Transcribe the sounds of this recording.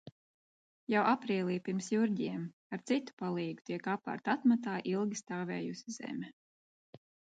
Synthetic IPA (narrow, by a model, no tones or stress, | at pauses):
jawʔapɾiːlʲˠiːpiɾmsjuɾʲɟiɛm | aɾt̪sit̪u̥palˠiːɡut̪iɛkapːa̰ɾt̪at̪mat̪aːʔilˠɡʲist̪aːvɛ̰ːjusizɛ̰mʲɛ